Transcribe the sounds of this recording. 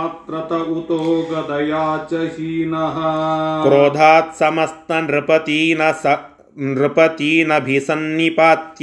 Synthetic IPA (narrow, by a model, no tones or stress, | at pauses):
t̪ɾɐt̪ɐut̪oːɡɐd̪ɐjaːt͡ʃɐɦiːnɐɦɐkɾoːd̪ʱaːt̪sɐmɐst̪ɐnɾɪpɐt̪iːnɐsɐ | nɾɪpɐt̪iːnɐbʱisɐnːipaːt̪j